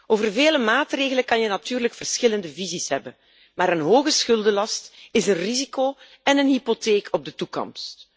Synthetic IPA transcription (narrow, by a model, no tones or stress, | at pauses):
oːvərveːləmaːtreːɣələkɑnjənatyːrləkfərsxɪləndəvizisɦɛbən | maːɾənɦoːɣəsxɵlˠdəlɑstɪsənrizikoː | ɛnənɦipoteːkʰɔb̚dətukɔ̰mst